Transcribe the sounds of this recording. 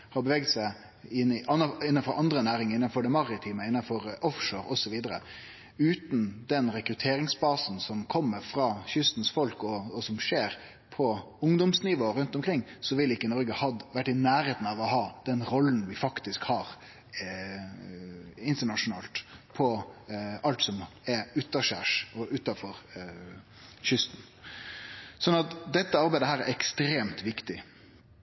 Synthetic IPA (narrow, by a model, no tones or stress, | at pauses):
hɑbəʋɛɡ̚d̪sæɪ | ɪnɑnɪnːənfɔɾʔɑnd̪ɾənæːɾɪŋɪnːɑnfɔɖɛmɑɾɪt̪ʰiːməɪnːɑnfɔɾɔfʂoːɾɔsɔʋiːd̪əɾə̰ | ʉːt̪nd̪ɛnɾɛkɾʉt̪ʰeːɾɪŋsbɑːsn̩sɔmkʰɔmːəɾfɾɑːçʏst̪n̩sfɔlkɔɔsɔmʂeːɾ | pʰɔ | ʊŋd̪ɔmsnɪʋoːɾʉnt̪ɔmkʰɾɪŋːsɔʋɪlɪkːənɔɾɡəhɑd̪ʋæʈːɪnæːɾeːt̪n̩ɑʋɔɦɑːd̪̥ɛnɾɔlːnʋɪfɑkt̪ɪskhɑːɾ | ɪnt̪əɳɑʂʊnɑ̰ːlt̪pʰɔ | ɑlt̪sɔmɛɾʉːt̪ɑʂæʂɔʔʉːt̪ɑfɔɾ | çʏst̪n̩ | sɔnɑt̪d̪ɛt̪ːəɑɾbæɪd̪əɦæːɾæɾɛkst̪ɾeːmt̪ʋɪkt̪ɪ